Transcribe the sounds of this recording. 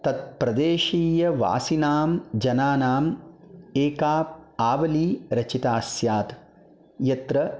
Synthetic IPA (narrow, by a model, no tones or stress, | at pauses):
t̪ɐt̪̚pɾɐd̪eːʃiːjɐʋa̰ːsinaːmd͡ʒɐnaːnaːm | eːkaːpaːʋɐliːɾɐt͡ʃit̪aːsjaːt̪ | jɐt̪ɾɐ